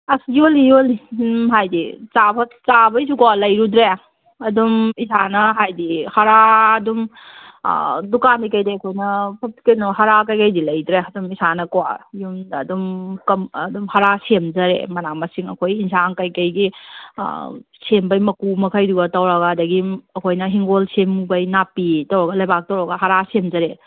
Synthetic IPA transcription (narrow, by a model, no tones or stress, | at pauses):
ɐsjolijoliɦajdit͡ʃabʰɐt͡ʃabɐjs̬ukɔwalɐjɾudɾe | ɐdumisʰanɐɦajdihɐɾaɐdum̰ | dukanmikɐjdeɐkʰojnɐpʰɐti̥kenɔɦɐɾakɐjkɐjdilɐjdɾeɐdumisanɐkwa̰jumːdumkɐmdumhɐɾasemd͡ʒɐɾḛmɐnamɐsiŋɐ̰kʰojinsaŋkɐjkɐjɡḭ | sembɐjmɐkumɐkʰɐjduɡɐtɐwɾɐɡadɐɡiɐkʰojnɐɦiŋɡolsemːubɐjnapitɐwɾɐɡɐlɐjbak̚tɐwɾɐɡɐɦɐɾasemd͡ʒɐɾe